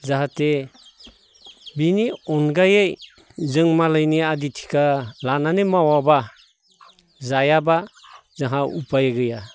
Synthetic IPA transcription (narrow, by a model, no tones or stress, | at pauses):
zaɦate | biniɔnɡajej | zɯŋmalajniaditʰi̥kʰalananemawaba | zajabazaŋɦaupajɡɯja